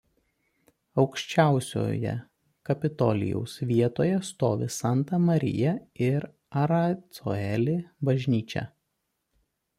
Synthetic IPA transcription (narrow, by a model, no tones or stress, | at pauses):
ɒʊkʃʲt͡ʃʲæˑʊsʲo̰ːjɛ̰ | kɐpʲɪt̪ɔ̰lʲɪ̰jɛ̰ʊsʋʲiɛt̪oːjɛst̪oːʋʲɪsɑˑnt̪ɐmɐɾʲɪ̰jɛɪɾ | ɐɾɐt̪so̰ɛlʲɪbɐʒʲnʲiːt͡ʃʲɛ̰